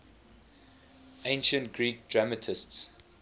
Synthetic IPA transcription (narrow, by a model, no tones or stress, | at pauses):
ẽɪ̃nʃə̃ntɡ̥ɹiːk̚dɹamətʰɪsts